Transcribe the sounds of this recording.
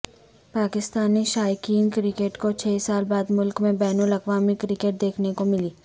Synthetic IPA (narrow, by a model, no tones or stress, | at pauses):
paːkɪst̪aːniʃaːjkiːnkɾɪkeːʈkot͡ʃʰeːsaːlbaːd̪mʊlkmẽbɛːnulɐkʋaːmikɾɪkeːʈ̚d̪eːkʰnekomɪliː